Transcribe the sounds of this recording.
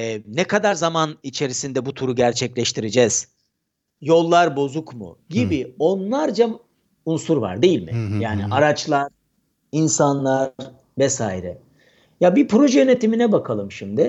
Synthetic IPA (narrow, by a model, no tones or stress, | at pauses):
ɛnɛkʰad̪aɾzamanit͡ʃʰe̞ɾisind̪ɛbut̪ʰuɾuɟæɾt͡ʃʰɛclʲɛʃt̪ʰiɾed͡ʒɛz̥ | jo̞lˠːaɾbo̞zukmṵɟibio̞nlˠaɾd͡ʒa | unsuɾva̰ɾd̪ejilʲmɪ̰jaːnḭʔaɾat͡ʃlˠaɾ̥ | insanlˠḁ | vɛsaːiɾɛ | jabipɾo̞ʒɛjønet̪ʰiminɛbakʰalˠɯmʃimd̪ɪ